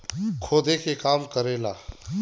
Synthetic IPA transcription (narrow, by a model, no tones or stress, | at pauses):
kʰoːd̪ekekaːmkəɾeːlaː